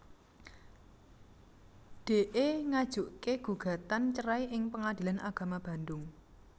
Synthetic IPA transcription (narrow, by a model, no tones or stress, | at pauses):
ɖ̥e̤ʔeŋad̥ʒ̥uʔkeɡ̥ṳɡ̥ä̤t̪ant͡ʃəɾaiʔɪŋpəŋad̪̥i̤lanʔaɡ̥ä̤mab̥a̤nd̪ʊŋ